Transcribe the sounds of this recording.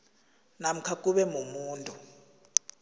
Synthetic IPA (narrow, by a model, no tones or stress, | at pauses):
nam̩kʰak̬ʼuɓɛmumuːntʼu